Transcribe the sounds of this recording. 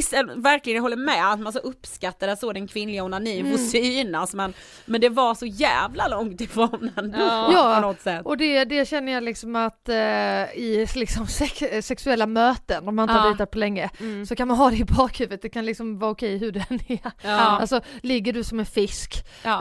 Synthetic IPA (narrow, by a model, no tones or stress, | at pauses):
ɪsɛvæɾklɪɡənɦɔlːəɾmɛat̪mansɔʔɵpːskat̪ːad̪əsod̪ɛnkʰvɪnlɪɡaʊnaniːmvʊsiːnasmɛn | mɛnd̪ɛvasɔjæːvlalɔŋt̪ɪfɾoːnɛnjɑːɔɔt̪ːsɛt̪ːɔd̪ɛd̪ɛɕɛnːəjalɪksɔmat̪ | ɪlɪksɔmsɛksɛksɵɛlːamøːt̪ənd̪ɔmaɪnhaɾiːt̪aɾ̚pʰɔlɛŋːəsɔkʰanmanɦɑːd̪ɛɪbɑːkhʉ̟ːvət̪̚d̪ɛkʰanlɪksɔmvɑɾʊkʰɛjɦɵɖɛnɛalsɔlɪɡːəɖɵsɔmɛnfɪsk